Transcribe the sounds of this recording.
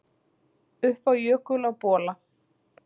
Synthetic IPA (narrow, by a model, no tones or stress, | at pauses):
ʏhpawjœːkʏlawpɔːla